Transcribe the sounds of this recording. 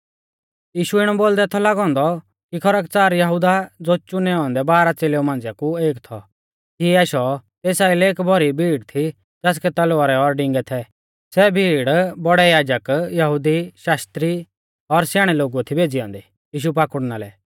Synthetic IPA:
jiːʃuɪɽ̃ɔboːld̪ɛt̪ʰɔlaːɡɔ̃ːnd̪ɔ | kikʰɔɾək̚t͡saːɾjɐɦud̪ad͡zoːt͡ʃʊnɛɔ̃ːnd̪ɛbaːɾat͡seːleumãːnd͡zakueːkt̪ʰɔ̰ | kiɛːʃɔt̪eːsaːilɛeːkbʱɔɾibʱiːɽt̪ʰi | d͡zaːs̬kɛt̪ɐloaɾɛɔɾɖɪ̃ŋɡɛt̪ʰɛ | sɛbʱiːɽbɔɽɛjaːd͡ʒəkjɐɦud̪iʃaːst̪ɾi | ɔɾsjaːɽ̃ɛloːɡuat̪ʰibʱeːd͡ziɔ̃ːnd̪ɛ | jiːʃ̬up̬aːkʊɽnaːlɛ̰

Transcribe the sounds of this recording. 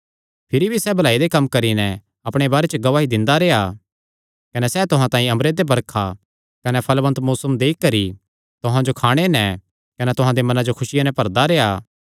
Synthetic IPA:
pʰɪɾibʱisɛːbʱɐlaːid̪ekɐmːkɐɾinɛ | ɐpɽ̃ebaːɾet͡ʃəɡɐʋaːɦid̪ɪ̃nd̪aɾeːa | kɐnɛsɛːt̪ʊɦãt̪ãːĩɐmɾeːd̪ebɐɾkʰa | kɐnɛpʰɐlʋɐ̃nt̪muːsəmd̪eːkkːɐɾi | t̪ʊɦãd͡ʒokʰaːɽ̃enɛ | kɐnɛt̪ʊɦãd̪emɐnãd͡ʒokʰʊsɪjanɛ̃pɐɾd̪aɾeːaː

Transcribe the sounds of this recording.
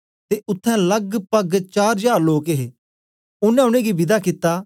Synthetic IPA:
t̪eʊt̪ʰːɛ̃lɐɡpɐɡt͡ʃaːɾd͡ʒaːɾloːkeɦeː | ʊnɛ̃ʊɽ̃ẽɡibɪd̪akɪt̪ːaː

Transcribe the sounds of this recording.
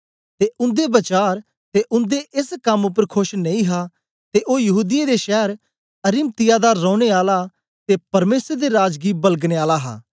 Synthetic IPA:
t̪eʔʊ̃nd̪ebɐt͡ʃaːɾ | t̪eʔʊ̃nd̪eʔɪskɐmʊp̬əɾkʰʊʃnɐ̃ĩɦaː | t̪eʔoːjɐɦuːd̪ɪjẽd̪eʃɛːɾ | ɐɾɪm̚t̪ɪjad̪aːɔ̃ːʊɽ̃eaːla | t̪epɐɾmeːsəɾd̪eɾaːd͡ʒɡibɐlɡneaːlaɦa̰ː

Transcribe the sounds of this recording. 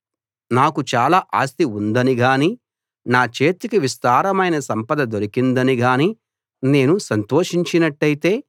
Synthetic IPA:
naːkut͡ʃaːlaːʔaːst̪iund̪ɐniɡaːni | naːt͡ʃe̞ːt̪ikiʋist̪aːɾɐmɐjnɐsɐmpɐd̪ɐd̪o̞ɾikind̪ɐniɡaːni | ne̞ːnusɐnt̪o̞ːʂiɲt͡ʃinɐʈːɐjit̪e̞ː

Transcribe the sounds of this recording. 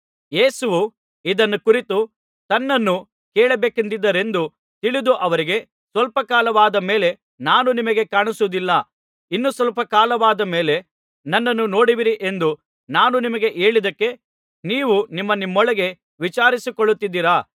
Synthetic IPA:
je̞ːsuʋu | id̪ɐnːukuɾit̪u | t̪ɐnːɐnːu | keːɭɐbeːkend̪id̪ːɐɾe̞nd̪u | t̪iɭid̪uʔɐʋɐɾiɡe̞ | sʋɐlpɐkaːlɐʋaːd̪ɐme̞ːle̞ | naːnunimɐɡe̞kaːɳisud̪ilːɐ | inːusʋɐlpɐkaːlɐʋaːd̪ɐme̞ːle̞ | nɐnːɐnːuno̞ːɽiʋiɾiʔe̞nd̪u | naːnunimɐɡe̞ʔe̞ːɭid̪ɐkːe̞ | niːʋunimːɐnimːɔɭɐɡe̞ | ʋit͡ʃaːɾisikɔɭːut̪ːid̪ːiɾaː

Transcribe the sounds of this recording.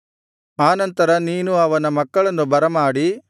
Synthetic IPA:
aːnɐnt̪ɐɾɐniːnuɐʋɐnɐmɐkːɐɭɐnːubɐɾɐmaːɽi

